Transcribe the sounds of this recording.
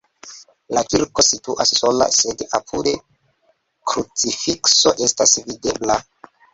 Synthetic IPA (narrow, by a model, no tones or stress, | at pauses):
lakiɾko̞situʔasːo̞la̰sedapʰude̞ | kɾut͡sifikso̞̰ʔe̞stasvide̞bla